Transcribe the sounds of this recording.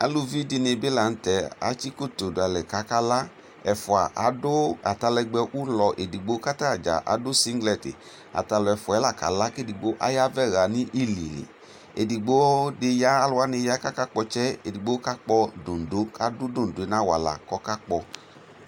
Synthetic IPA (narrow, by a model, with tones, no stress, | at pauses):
a̰˨lu˦vi˦dɪ˧nɪ˧bɪ˦la˨n̩˦tɛ˨a̰˨˦t͡ʃi˦ko˦to˨dʊ˨a˨lɛ˨ka˨˦ka˦la˦ | ɛ˨fʊ˨a̰˨ʔa˨˦dʊ˦a˨ta˧lɛ˧ɡ͡bɛ˧ʔu˦lɔ˨ʔe˨di˨ɡ͡bo˨˦ka˦ta˦˨d͡ʒa̰˨ʔa̰˨dʊ˦si˦ŋɡlɛ˨tɪ̰˨ | a̰˨ta˧lɔ˨ɛ˨fʊ˨ɛ˨˦la˨ka̰˨la˦ke˦˨di˨ɡ͡bo˦ʔa̰˦ja˦vɛ˦ɣa˨nɪ˦ʔi˦lḭ˨lḭ˨ | ḛ˨di˨ɡ͡bo˦dɪ˧ja˦a˦lʊ˧˦a˦nɪ˧ja˦ka˦ka˦k͡pɔ˧t͡ʃɛ˦e˨di˨ɡ͡bo˦ka˦k͡pɔ˧do˨n˨do˨˦a˨dʊ˦do˦˨n̩˨de˨˦na˨˦wa̰˨la̰˨kɔ˦ka˦k͡pɔ˧